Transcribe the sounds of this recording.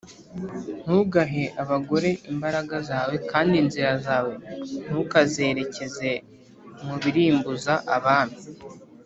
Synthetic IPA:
n̥huɡaɦe̞ʔaβaɡo̞ɾe̞ʔimbaɾaɡazaːwe̞kaːndinziɾazaːwe̞n̥hukaze̞ːɾe̞ce̞ze̞ | muβiɾiːmbuzaʔaβaːnu

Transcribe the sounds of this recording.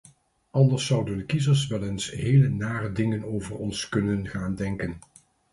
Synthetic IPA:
ɑndəɹsːʌwdəndəkizəɹsʋɛlensɦejlənaːrədɪŋənowvərɔnskɵnənχaːndɛŋkən

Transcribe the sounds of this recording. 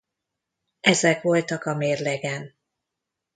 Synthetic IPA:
ɛzɛkʋo̞lt̪ɒkɒmeːrlɛɡɛn

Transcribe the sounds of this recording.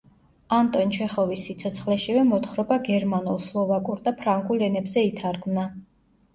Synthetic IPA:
ant̪ʼɔnt͡ʃʰɛχɔvisːit̪sʰɔt̪sʰχlɛʃivɛmɔt̪χɾɔbaɡɛɾmanulˠslˠɔvakʼuɾd̪apʰɾaŋɡʼulɛnɛbzɛit̪ʰaɾɡmna

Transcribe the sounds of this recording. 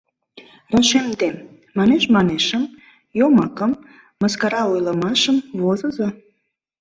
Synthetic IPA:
reʃemd̪e | mɑneʃmɑneʃəm | jomɑkəmː | əskɑɾɑujləmɑʃəmvozəzo

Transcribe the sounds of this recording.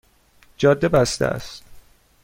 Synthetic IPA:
d͡ʒɒːd̪ːebæst̪ḛæ̰st̪

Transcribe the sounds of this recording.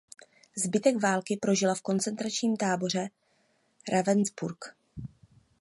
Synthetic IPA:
zbɪt̪ɛɡvaːlkɪpɾo̞ʒɪlafko̞nt͡sɛnt̪ɾat͡ʃɲiːmt̪aːbo̞r̝ɛ | ɾʔavɛnzbuɾk

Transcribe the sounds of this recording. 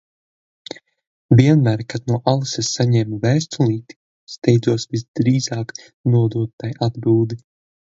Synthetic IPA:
vʲiɛnmæːɾkad̪nuɔʔalˠisesːaɲɛːmuvæːst̪ulˠiːt̪i̥ | st̪ɛjd̪zuɔsvizd̪ɾiːzaːk | nuɔd̪uɔt̪̚ːajʔad̪biːd̪i

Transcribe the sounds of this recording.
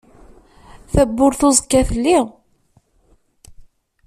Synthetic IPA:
θæbːʊɾθozˤəkːæθlːi

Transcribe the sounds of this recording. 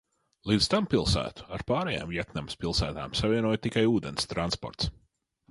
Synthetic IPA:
lˠiːd̪t̪ampilˠsæ̰ːt̪u̥aɾpaːɾɛja̰ːmvjɛt̪namspʲilˠsæːt̪a̰ːmsavʲiɛnuɔjt̪ikajuːd̪enst̪ɾanspɔ̰ɾt̪s

